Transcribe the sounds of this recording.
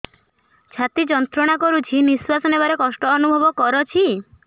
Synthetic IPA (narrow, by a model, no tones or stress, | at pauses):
t͡ʃʰat̪id͡ʒɔnt̪ɾɔɽ̃akɔɾut͡ʃʰiniswasɔnebaɾekɔsʈɔːnubʱɔbɔkɔɾɔt͡ʃʰi